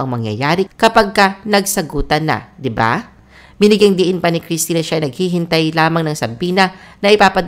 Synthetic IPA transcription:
ʔɐŋmɐŋjɐ̰jaːɾɪkɐpɐɡ̚kɐnɐɡsɐɡuːt̪ɐnɐ̰d̪ɪba̰ | bɪnɪɡɪŋd̪iʔɪnpɐnɪkɾist̪iːnɐʃaʔɐjnɐɡ̚hiɦɪnt̪ajlaːmɐŋnɐŋsɐbiːnɐnɐʔɪpaːpɐd̪

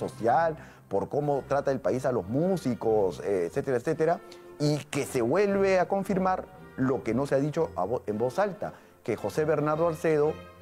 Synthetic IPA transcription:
o̞sjal | po̞ɾko̞mo̞t̪ɾat̪aelpaisalo̞zmusikoseset̪eɾaet̪set̪e̞ɾaike̞se̞βwe̞lβe̞ako̞ɱfiɾmaɾ | lo̞ke̞noseaðit͡ʃo̞a̰embo̞salt̪a̰ | ke̞xo̞se̞βe̞ɾnaɾðoalseðo̞

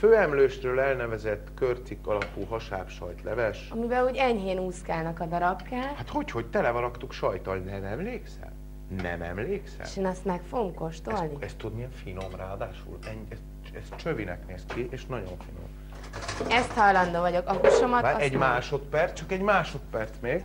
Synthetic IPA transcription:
føːɛmløːʃrøːlɛlnɛvɛzɛt̪ːkørt̪sikːɒlɒpuːɦɒʃaːpʃɒ̰jt̪lɛvɛʃɒmivɛluːɟɛɲɦeːnuːskaːnɒkɒd̪ɒɾɒbkaːlhat̪ho̞cho̞ct̪ɛlɛvɒɾɒkt̪ukʃɒjt̪ɒlnɛmɛmleːksɛ̰m | nɛ̰mɛ̰mleːksɛḛʃeːnɒst̪mɛkfoɡomko̞ʃt̪o̞lniɛst̪ud̪miɛɱfino̞mraːɒd̪aːʃṵlɛɲɛs | ɛst̪t͡ʃøvinɛ̰kneːskiʔeːʃnɒɟo̞ɱfino̰m | ɛst̪hɒjlɒnd̪oːvɒɟo̞kɒkuʃomɒaɛɟmaːʃo̞t̪pɛrst͡ʃɒkɛɟmaːʃo̞t̪pɛrt̪smeːɡ

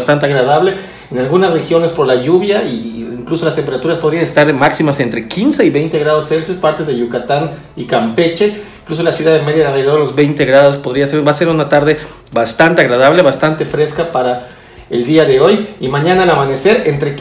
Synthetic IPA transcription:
st̪ant̪̬eaɣɾaðaβle̞ | enalɣunasre̞xjo̞ne̞spo̞ɾlaʝuβjaʔiiŋkluso̞last̪empeɾat̪uɾaspo̞ð̞ɾianest̪aɾemaksimase̞nt̪ɾe̞kinse̞iβe̞jnt̪e̞ɣɾað̞o̞sːe̞lsespaɾt̪e̞zðeʝukat̪an | ikampe̞t͡ʃe̞iŋklus̬o̞lasjuðaðemeðjaðeðeɾolo̞zβe̞jnt̪eɣɾaðo̞spo̞ðɾiaseɾbase̞ɾunat̪aɾðe̞ | βast̪ant̪eaɣɾaðaβle̞βast̪ant̪e̞fɾe̞skapaɾa | ḛld̪iaðe̞o̞jimãɲãnalamane̞se̞ɾe̞nt̪ɾe̞

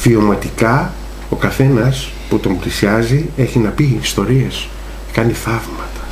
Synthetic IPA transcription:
fio̞mɐt̪ikɐ | o̞kɐθe̞nɐs | put̪o̞mblisiɐzie̞çinɐpiːst̪o̞ɾie̞s | kɐniθɐvmɐt̪ɐ̥

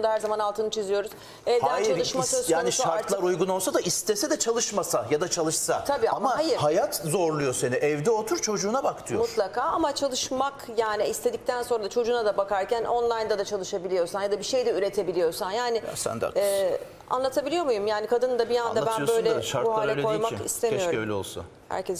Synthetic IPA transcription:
und̪ahæɾzamanalˠt̪ɯnɯt͡ʃʰizijo̞ɾuz̥ | ɛvd̪ænt͡ʃalˠɯʃmaasjaːniʃaɾɾt̪lˠaɾujɡunolˠsad̪aist̪ʰesɛd̪ɛt͡ʃʰalˠɯʃmasajad̪at͡ʃʰalˠɯʃsat̪ʰabiːamahajiɾhajat̪zo̞ɾlˠujo̞seniʔɛvd̪ɛot̪ʰuɾt͡ʃʰo̞d͡ʒuːnabakt̪ʰɯjomut̪lˠakʰaːamat͡ʃʰalˠɯʃmakjaːnɪist̪ʰe̞d̪ic̚t̪ʰænso̞nɾad̪at͡ʃʰo̞d͡ʒuːnad̪abakaɾcʰænʔo̞nlˠajnd̪ad̪at͡ʃʰalˠɯʃabilʲijo̞ɾsanjad̪abiʃe̞jd̪ɛyɾe̞t̪ʰe̞bilʲijo̞ɾsanjaːnɪ̰sɛ̰nd̪a̰ɛː | a̰nlˠat̪ʰabilʲijo̞ɾmujumjaːnikʰad̪ɯnd̪abijand̪abænbø̞jlʲɛʃaɾbuɦaːlʲɛo̞jmakḭst̪ʰemijoɾlʲo̰lˠsṵn | hæ̰ɾcɛs

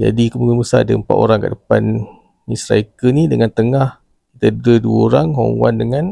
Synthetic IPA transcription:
d͡ʒa̰dikəmuɡənbəsadəəmpa̰t̪o̰ɾaŋkaʔdəpan | misɾa̰ikənidəŋant̪əŋah | kit̪ədəduəoɾaŋɦɔ̰ŋwa̰ndəŋan

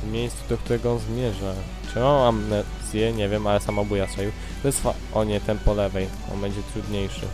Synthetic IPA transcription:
mʲjejst̪sud̪ɔkt̪uɾɛɡɔɔnzmʲjɛʐa | ɛmaamnɛ | sʲjɛɲɛvʲjɛmalɛsamabujasaju | vɛsfa̰ | ɔɲɛt̪ɛmpɔlɛvɛj | ɔ̰nbɛɲd͡ʑɛt̪ɾud̪ɲejʂɘ̰

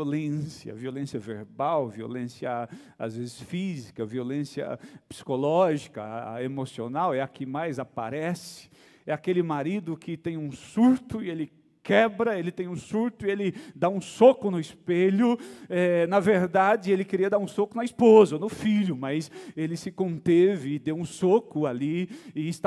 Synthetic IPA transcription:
olẽsiɐ̰violẽsiɐvḛɾbawvio̰lẽsiɐ | a̰zvezɪsfizikɐviolẽsiɐ̰psi̥kolɔʒikɐ̰emosionawɛɐkɪmajzapa̰ɾɛsɪ̥ | ɛakelɪmaɾid̪ʊkɪt̪ẽj̃ũsuɾt̪ʊɪelɪ | kɛbɾɐelɪt̪ẽj̃ũsuɾt̪ʊielɪd̪aũsokʊnʊispeʎʊɛnɐveɾd̪ad͡ʒɪelɪkeɾiɐd̪aɾũsokʊnɐispozɐonʊfiʎʊmɐjselɪsɪkõnt̪evɪːd̪ewũsokʊaliɪːst̪

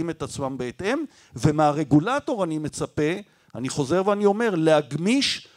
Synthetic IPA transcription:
ime̞t̪at͡smambeːt̪e̞m | ve̞meaʁe̞ɡulato̞ʁanime̞t͡sape̞ | aniχo̞zeʁveanio̞me̞ʁlehaɡmiʃ

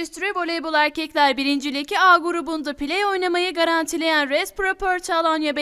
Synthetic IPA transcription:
yst̪yɾybo̞lʲebulˠæɾcʰɛclʲæɾbiɾind͡ʒilʲecʰʲiaɡuɾubund̪apilʲɛjo̞jnamajɯɡaɾant̪ʰilʲe̞jænɾɛspɾopʰøɾt͡ʃʰalˠanjab

